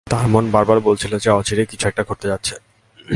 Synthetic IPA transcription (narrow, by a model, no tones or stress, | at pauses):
t̪aɾmonbaɾbaɾbolt͡ɕʰilod͡ʑeɔt͡ɕiɾekit͡ɕʰuɛk̚ʈakʰoɾt̪ed͡ʑatːɕʰe̥